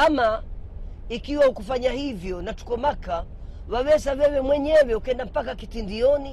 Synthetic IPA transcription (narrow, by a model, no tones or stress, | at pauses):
ama | ikiwahukufaɲahivjɔnatu̥kɔmaka | wawɛsawɛwɛmwɛɲɛwɛukɛndam̩pakakitindiɔni